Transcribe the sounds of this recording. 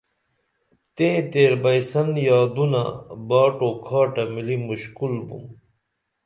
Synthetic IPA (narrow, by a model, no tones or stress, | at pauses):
t̪ẽːt̪eːɾbɐjsɐnjaːd̪una̰baːʈokʰaːʈɐmilimuɕkulbṵm